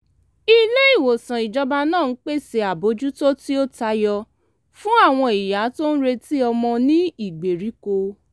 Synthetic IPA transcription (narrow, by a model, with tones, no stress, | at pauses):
i˦le˦i˦˨wo˨sã˨i˨d͡ʒɔ˧ba˧nãː˦˨n̩˦k͡pe˦˨se˨a˨bo˨˦d͡ʒu˦to˦ti˦o˦ta˨˧jɔ˧ | fũ˦a˦˨w̃ɔ̃˧i˨ja˨˦to˦n̩˦ɾe˧ti˦ɔ˧mɔ̃˧nĩ˦i˦˨ɡ͡be˨ɾi˨˦ko˧